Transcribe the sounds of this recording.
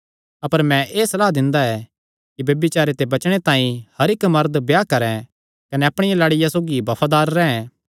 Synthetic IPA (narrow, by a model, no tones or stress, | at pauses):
ɐpəɾmɛ̃ʔeːsɐlaːɦd̪ɪ̃nd̪aɛ | kibɐbɪt͡ʃaːɾet̪ebɐt͡ʃɽ̃et̪ãːĩhɐɾɪkmɐɾd̪bjaːkɐɾɛ̃ | kɐnɛɐpɽ̃ɪjalaːɽɪjasoːɡibɐpʰad̪aːɾːɛ̃ːɛ̃